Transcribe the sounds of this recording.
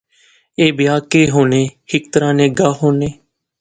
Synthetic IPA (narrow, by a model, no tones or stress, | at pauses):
eːbɪjaːkeːɦoːneːhɪk̚t̪əɾãːnẽːɡaːɦoːneː